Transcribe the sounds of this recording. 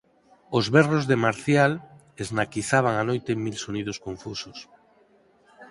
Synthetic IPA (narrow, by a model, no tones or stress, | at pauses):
ozβɛrozðemaɾθjal | eznakiθaβ̞aŋanojt̪emilsonið̞oskoɱfusos